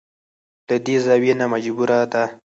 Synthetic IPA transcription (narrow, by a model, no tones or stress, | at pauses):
l̥əd̪ezawenamad͡ʒbuɾad̪a